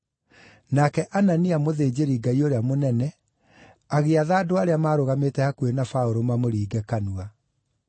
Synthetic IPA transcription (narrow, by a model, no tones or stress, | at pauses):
nakɛʔananiamoðeːd͡ʑeɾiɡaioɾeamonɛnɛ | aɣeaðaːdoaɾeamaːɾoɣametɛhakuenafaoɾomamoɾiːɡɛkanua